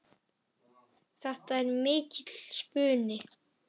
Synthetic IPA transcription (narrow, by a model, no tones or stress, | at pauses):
θɛht̪aɛɾmɪːcɪt̪l̥spʏːnɪ